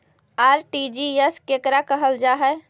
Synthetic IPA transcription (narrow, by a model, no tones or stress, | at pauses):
aɾʈid͡ʒieskekɾakəɦəld͡ʒaɦɛ